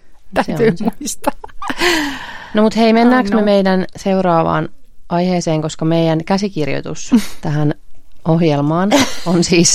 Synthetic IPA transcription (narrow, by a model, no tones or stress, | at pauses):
æseynmuist̪ɑ | nomut̪heimenːæːksmemeidænseurɑːʋɑ̰ːn | ɑjheːseːŋkoskɑmeijænkæsikirjo̰t̪ṵst̪æhænohjelmɑːnonsiːs